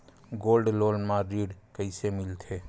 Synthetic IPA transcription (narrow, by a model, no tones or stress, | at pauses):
ɡoːlɖloːlmãɾiːɽkəɪsemɪlt̪ʰeː